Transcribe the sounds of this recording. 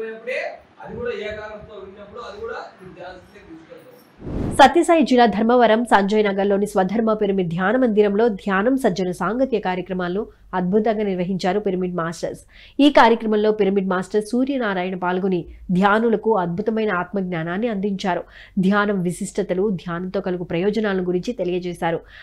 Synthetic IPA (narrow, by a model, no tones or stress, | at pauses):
ɐpːuʈeː | ɐd̪iɡuːɽaːeːkaːɾɐmt̪oːʋinːɐpːuɽuɐd̪ikuːɽaːid̪jaːlɐsit̪ed̪iskɐɐ | sɐt̪jɐsɐːɦid͡ʒilaːd̪ʱɐɾmɐʋɐɾɐmsɐɲd͡ʒɐjnaːɡɐlːo̞ːnisʋɐd̪ʱɐɾmɐpeɾɐmid̪ʱjaːnɐmɐnd̪iɾɐmlo̞ːd̪ʱjaːnɐmsɐd͡ʒɐnɐsaːŋɡɐt̪jɐkaːɾjɐkɾɐmaːlɐnu | ɐd̪̚bʱut̪ɐŋɡaːniɾʋɐɦiɲt͡ʃaːɾupiɾɐmiɖmaːsʈɐɾs | iːkaːɾjɐkɾɐmɐmlo̞ːpeɾmiɖ̚maːsʈɐɾsuːɾjɐnaːɾaːjɐɳɐpaːlɡunid̪ʱjaːnulɐkuɐd̪̚bʱut̪ɐmɐjnɐaːt̪mɐɡɲʲaːnaːnːiɐnd̪iɲt͡ʃaːɾu | d̪ʱjaːnɐmʋisiʂʈʰɐt̪ɐlud̪ʱjaːnɐnt̪o̞ːkɐluɡupɾɐjɔːd͡ʒɐnaːlɐnuɡuɾiɲt͡ʃit̪elijɐt͡ʃɛːsaːɾu